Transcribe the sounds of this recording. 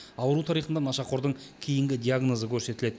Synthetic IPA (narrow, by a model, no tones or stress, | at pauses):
ɑwəɾuwt̪ʰɑɾijχənd̪ɑnɑʃɑqʰo̞ɾd̪əɴkʲʰijɪŋɡʲɪd̪ʲijaɡno̞zəkʲʰɵɾse̞t̪ɪle̞d̪ɪ